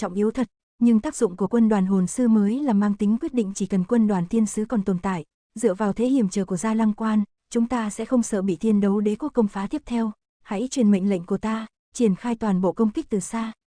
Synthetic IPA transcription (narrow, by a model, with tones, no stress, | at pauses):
t͡ɕɔ̰˧˨wŋ͡mʔi˨˦əwt̪ʰə˨˩t̚ | ɲɨ˧ŋt̪aː˦˥k̚zʊ̰˧˨ŋ͡mku˧˩əkwə˧nɗwaː˨˩nɦo˨˩nsɨ˧məː˨˦jlaː˨˩mːaː˧ŋt̪ï˨˦ŋ̟kwi˦˥ət̚ɗḭ̈˧˨ŋ̟t͡ɕi˧˩kə˨˩nkwə˧nɗwaː˨˩nt̪ʰi˧ənsɨ˨˦kɔ˨˩nt̪o˨˩nt̪a̰ː˧˨j | zɨ̰˧˨əvaː˨˩wt̪ʰe˨˦hi˧˩əmt͡ɕəː˨˩ku˧˩əzaː˧la˧ŋkwaː˧n | t͡ɕʊ˨˦ŋ͡mt̪aː˧sɛ̰˧˥xə˧wŋ͡msə̰ː˧˨ɓḭ˧˨t̪ʰi˧ənɗə˨˦wɗe˨˦ku˨˦˥əkə˧wŋ͡mfaː˨˦t̪i˦˥əp̚t̪ʰɛ˧w | ha̰˧˥jt͡ɕwi˨˩ənmə̰˧˨jŋ̟lə̰˧˨jŋ̟ku˧˩ət̪aː˧ | t͡ɕi˧˩ənxaː˧jt̪waː˨˩nɓo̰˧˨kə˧wŋ͡mkï˦˥k̚t̪ɨ˨˩saː˧